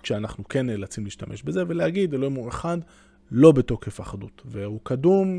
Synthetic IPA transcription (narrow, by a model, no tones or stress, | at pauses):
ʃeanaχnuke̞nlat͡simliːʃtamʔeʃbe̞ze̞velehaɡid̪eloimueχad̪ | lo̞beto̞khefaχad̪utvehukadum